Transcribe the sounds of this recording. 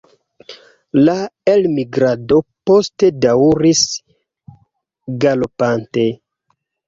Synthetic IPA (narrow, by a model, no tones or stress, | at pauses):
laelmiɡɾado̞po̞ste̞dawɾis | ɡalopante̞